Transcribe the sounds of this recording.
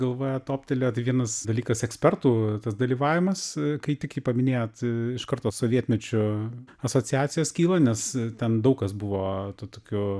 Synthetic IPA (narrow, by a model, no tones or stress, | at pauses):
ɡɐlˠʋoːjɛt̪oːpʲt̪ʲɛlʲoːt̪ɐɪʋʲiɛnɐsd̪ɐlʲiːkɐsɛksʲpʲɛrt̪uːt̪ɐsd̪ɐlʲiːʋɑːʋʲɪmɐskɐɪt̪ʲɪkɪpɐmʲɪnʲeːjoːt̪ɪʃkɐɾt̪oːsoːʋʲiɛt̪ʲmʲɛt͡ʃʲʊɐsoːt͡sʲɪjæːtt͡sʲɪjoːskʲiːlˠɐnʲɛstʲɛnd̪ɐʊkɐsbʊʋoːt̪ut̪oːkʲʊ